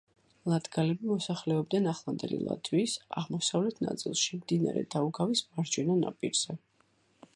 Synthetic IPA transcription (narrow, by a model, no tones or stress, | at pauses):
lˠad̪ɡalɛbimɔsaχlɛɔb̚d̪anaχlˠand̪ɛ̰lḭlˠa̰d̪ʰwisaʁmɔsavlɛt̪ʰna̰t̪sʼilˠʃimd̪ina̰ɾɛ̰d̪auɡavismaɾd͡ʒɛnana̰pʼiɾz̥ɛ